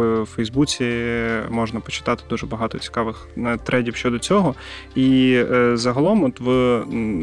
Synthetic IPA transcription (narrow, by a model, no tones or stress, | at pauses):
fɛjzbut͡sʲimɔʒnɐpɔt͡ʃɪ̥t̪ɑt̪ɪ̥d̪uʒɛbɐɦɑt̪ɔt͡sʲi̥kɑʋɪxnɐt̪ɾʔɛdʲiwʃt͡ʃɔd̪ɔt͡sʲɔɦɔ | izɐɦɐlˠɔmɔt̪ʋɨ